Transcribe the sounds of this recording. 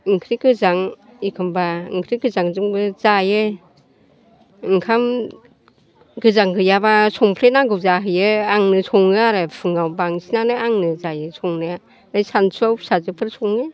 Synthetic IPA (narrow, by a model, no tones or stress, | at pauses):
ɯŋkʰɾiɡɯzaŋikʰɯmbaɯŋkʰɾiɡɯzaŋzɯŋbɯzajɯ | ɯŋkʰam | ɡɯzaŋɡɯjabasʰɔŋpʰɾenaɡɯwzaɦɯjɯaŋnɯsʰɔŋɯaɾɯpʰɯŋawbaŋsinanɯaŋnɯzajɯsʰɔŋnɯa | najsansʰuawsazɯpʰɯɾsʰɔŋɯ